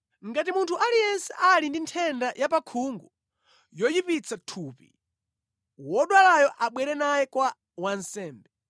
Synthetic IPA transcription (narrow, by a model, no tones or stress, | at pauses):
ŋɡatimuntʰuʔalijɛnsɛʔalindintʰɛndajapakʰuŋɡu | jɔjipit͡sʰatʰuːpḭ | wɔɗwalajɔʔaɓwɛɾɛnajɛkwa | wansɛːmbɛ